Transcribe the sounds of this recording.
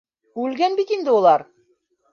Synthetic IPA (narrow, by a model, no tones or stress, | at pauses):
ʉlɡænbit̪ind̪ɘulˠɑɾ